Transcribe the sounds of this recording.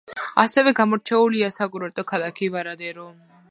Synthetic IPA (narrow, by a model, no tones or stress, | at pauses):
a̰sɛvɛɡamɔɾt͡ʃʰɛuliasaɡuɾɔɾt̪ʼɔkʰalˠakʰivaɾad̪ɛɾɔ